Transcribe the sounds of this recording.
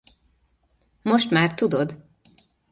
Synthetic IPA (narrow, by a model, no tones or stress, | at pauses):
mo̞ʃt̪maːrt̪ud̪o̞d̪